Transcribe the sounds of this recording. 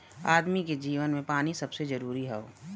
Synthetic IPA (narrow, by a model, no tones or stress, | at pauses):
aːd̪miked͡ʒiːʋənmẽpaːnisɐbsezɐɾuːɾiɦɛo